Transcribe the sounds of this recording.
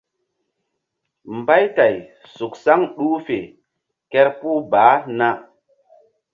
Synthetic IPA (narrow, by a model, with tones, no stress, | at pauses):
mba˦jta˨j | su˨ksa˦ŋɗu˦fe˨ | kɛ˦ɾpu˦baː˨˦na˦